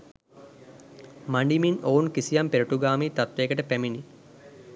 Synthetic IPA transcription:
maɳɖiminoːunkisijɐmpeɾuʈuɡaːmiːt̪at̪ʋeːkəʈəpæmini

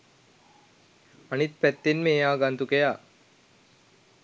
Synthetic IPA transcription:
anit̪̚pæt̪ːenmeːjaːɡant̪ukejaː

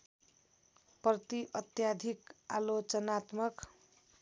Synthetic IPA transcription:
prʌt̪iʔʌt̪jad̪ʱikalot͡sʌnat̪mʌk

